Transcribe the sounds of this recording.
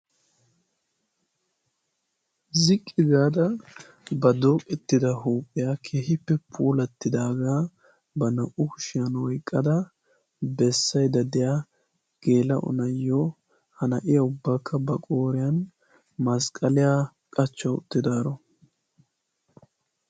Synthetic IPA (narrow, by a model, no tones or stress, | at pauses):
zɪkʼːɪɡaːd̪ɐ | bɐd̪oːkʼɛt̪ːɪd̪ɐɦuːpʼːɪjaːkʰeːhɪpːɛpʰuːlɐt̪ːɪd̪aːɡaː | bɐnɐʔʊkʊ̥ʃɪjɐnwɔjkʼːɐd̪ɐ | bɛsːɐjd̪ɐd̪ɪja | ɡ̥e̞ːlɐʔʊ̰nɐjːo | hɐnɐʔɪjɐʊbːaːkʰːɐbɐkʼo̞ːɾɪjɐn | mɐskʼɐlɪjaː | kʼɐt͡ʃːɐwʊt̪ːɪd̪aːɾɔ